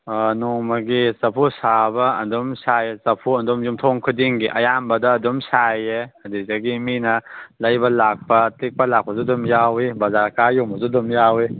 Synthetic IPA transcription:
nomɐɡisɐpʰusabɐɐ̰ndumsajesɐpʰuɐndumjumtʰoŋkʰudiŋɡiʔɐ̰jambɐdɐːdumsajeɐdizɐɡiminɐlɐjbɐlak̚pɐtik̚pɐlak̚pɐzudumjawibɐzaɾkajumɐzudumjawi

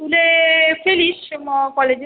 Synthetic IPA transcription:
ulefiliʃmɔkɔled͡ʒ

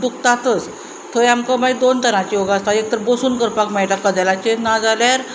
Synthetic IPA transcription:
d̪ukt̪at̪ət͡s | t̪ʰəamkɔmaid̪ont̪ənat͡ɕijoɡast̪aek̚t̪əɾbosuːnkəɾpakmɛjʈakːəd̪ɛlat͡ɕenad͡zalaɾ

